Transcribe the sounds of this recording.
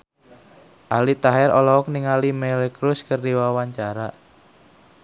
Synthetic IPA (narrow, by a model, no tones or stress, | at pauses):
ʔalit̪aɦɛɾɔlɔɔk̚niŋalimɛlkɾʊskərdiwawaɲt͡ʃaɾa